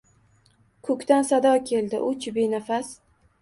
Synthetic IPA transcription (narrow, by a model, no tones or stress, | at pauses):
kʰɵkʲt̪ansad̪ɒkʲʰe̞ld̪ɪʔʊt͡ʃbenafas